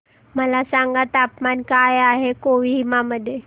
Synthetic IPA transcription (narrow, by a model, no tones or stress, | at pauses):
məlasaŋɡat̪apmankajaɦekoʋiimaməd̪ʱːje